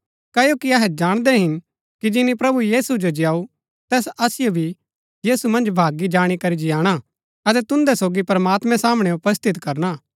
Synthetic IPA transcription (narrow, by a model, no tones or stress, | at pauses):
kɐjokiɐɦɛd͡ʒaːɽ̃d̪ɛɦɪn | kid͡ʒɪnipɾɐbujiːsud͡ʒod͡ʒjaːu | t̪ɛːsɐsɪjobʱi | jiːsumɐ̃nd͡ʒbʱaːɡid͡ʒaːɽ̃ikɐɾid͡ʒɪjaːɽ̃a | ɐt̪̬ɛt̪ʊ̃nd̪ɛsoːɡipɾəmaːt̪mɛ̃saːməɽ̃ɛʊpəst̪ʰɪt̪kɐɾnaː